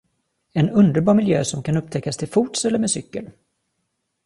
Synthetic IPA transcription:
ɛnɵnd̪əɾbɑːɾmɪljø̰ːsɔmkanɵp̚ːt̪ʰɛkːast̪ʰɪlfuːʈsɛlːəɾmeːd̪sʏkːəl

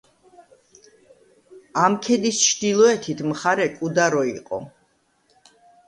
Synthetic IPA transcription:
amkʰɛd̪ist͡ʃʰd̪ilˠɔɛt̪ʰit̪ʰmχaɾɛkʼud̪aɾɔiqʼɔ̰

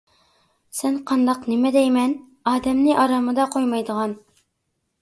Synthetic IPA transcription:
sɛnqʰɑnd̪ɑqnɪmɛd̪ɛjmɛn | ɑːd̪ɛmnɪʔɑɾɑmɨd̪ɑqʰojmɑjd̪əʁɑn

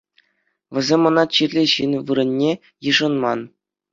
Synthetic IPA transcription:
ʋʲɘ̆zʲemʲɤ̆nɑt͡ɕirʲlʲeɕɯnʋɯɾɤ̆nʲːe | jɯʐɤ̆nmɑn

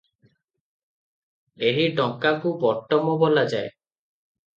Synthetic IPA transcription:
eɾiɖɔŋkakubɔɾt̪ɔmɔbɔlad͡ʒae

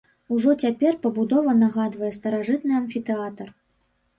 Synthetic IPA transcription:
uʐɔt͡sʲapʲɛrpɐbud̪ɔvɐnaɣad̪vɐjɛst̪ɐɾaʐɨt̪nɨɐnfʲit̪ɛat̪ɐr

